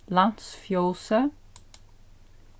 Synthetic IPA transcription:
lɑnsfjoːsə

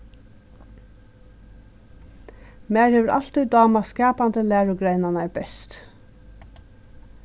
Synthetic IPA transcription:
mæːɹheːʋəɹʔa̰l̥t̪ujd̪ɑːmaskɑːpand̪əlæːɹʊɡɾɛɪnanaɹbɛst̪

